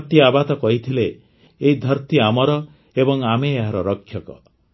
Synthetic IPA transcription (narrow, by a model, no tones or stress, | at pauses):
ɾt̪iabat̪ɔkɔɦit̪ʰileː | ɦid̪ʱɔɾt̪iamɔɾɔ | ebɔŋameeɦaɾɔɾɔkʰːjɔkɔ̰